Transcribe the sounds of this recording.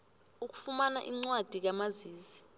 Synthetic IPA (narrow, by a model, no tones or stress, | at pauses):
uk̬u̥fumana̰ʔiŋ͡ǀwad̥ʱik̬amaziːzi